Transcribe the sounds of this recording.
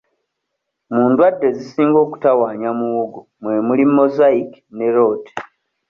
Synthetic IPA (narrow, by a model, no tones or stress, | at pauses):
muːndwadːe̞zisiːŋɡo̞ːku̥tawaːɲamuwuɡo | mwe̞mulimːo̞zaiki̥ne̞ɾo̞ːti̥